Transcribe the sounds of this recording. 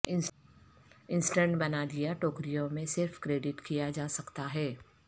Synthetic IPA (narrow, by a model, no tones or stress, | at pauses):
ɪ̃nsʈəɾɳʈbɐnad̪ijaʈoːkɾijõmẽsɪɾfkɾeːɖɪʈkijad͡ʒaːsɐkt̪aɦɛː